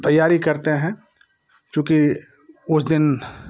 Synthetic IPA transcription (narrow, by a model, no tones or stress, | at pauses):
t̪ɐjːaːɾikɐɾt̪eɦɛ̃ | kjũːki | ʊsd̪ɪn